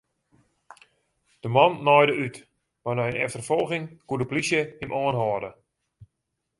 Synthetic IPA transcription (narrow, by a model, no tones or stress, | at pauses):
d̥əmɔnːɔjdəʔyt | manɔənɛftərfɔlˠɣɪŋkuədəplisjəhɪmʔɔənɦɔːdə